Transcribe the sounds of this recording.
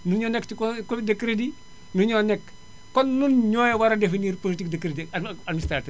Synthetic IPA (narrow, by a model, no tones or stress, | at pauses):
nuɲɔnɛkːtikkodekːɾedi | nuɲɔnɛkː | ɔnːunɲɔːjɛwɐɾɐdefiniːrpolitikdekːɾediadmistɾatɛ